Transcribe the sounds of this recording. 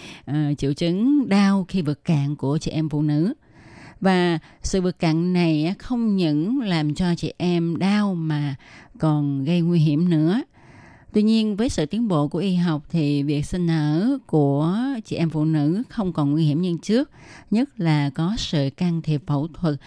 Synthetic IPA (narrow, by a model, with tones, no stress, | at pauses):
ʔəː˨˩t͡ɕḭ˧˨əwt͡ɕɨ˨˦ŋɗaː˧wxi˧vɨ˨˩t̚ka̰ː˧˨ŋku˧˩ət͡ɕḭ˧˨ʔɛ˧mfṵ˧˨nɨ̰˧˥ | vaː˨˩sɨ̰˧˨vɨ˨˩t̚ka̰ː˧˨ŋna˨˩jʔxə˧wŋ͡mɲə̰˧˥nlaː˨˩mt͡ɕɔ˧t͡ɕḭ˧˨ʔɛ˧mɗaː˧wmaː˨˩kɔ˨˩nɣə˧jŋwi˧ɦi˧˩əmnɨ̰˧˥ə | t̪wi˧ɲi˧ənvəː˨˦jsɨ̰˧˨t̪i˨˦ənɓo̰˧˨ku˧˩əʔi˧ɦa˨˩wk͡p̚t̪ʰi˨˩vi˨˩ək̚sï˧ŋ̟ʔəː˧˥ku˧˩ət͡ɕḭ˧˩ʔɛ˧mfṵ˧˨nɨ̰˧˥xə˧wŋ͡mkɔ˨˩nŋwi˧hi˧˩əmɲɨ˧ŋt͡ɕɨ˦˥ək̚ɲə˦˥t̚laː˨˩kɔ˨˦sɨ̰˧˨kaː˧ŋt̪ʰi˨˩əp̚fə̰˧˩wt̪ʰwə˨˩t̚